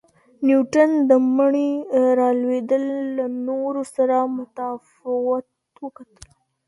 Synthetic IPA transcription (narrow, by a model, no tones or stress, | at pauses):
njuʈand̪əməɳiɾɑlwed̪əlːanoɾosaɾamʊt̪afɪwat̪ | wəkat̪əl